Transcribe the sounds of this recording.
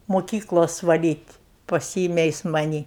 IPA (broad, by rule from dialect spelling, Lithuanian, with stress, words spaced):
moːˈkʲiːklˠoːs ʋɐˈlʲiːtʲ pɐˈsʲiːɪmʲɛ ˈjɪs mɐˈnʲiː